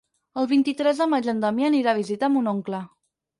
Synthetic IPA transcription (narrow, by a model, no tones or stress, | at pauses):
əlˠβ̞int̪it̪ɾɛzðəmad͡ʒənd̪əmiəːniɾaβ̞izit̪aəmunoŋklə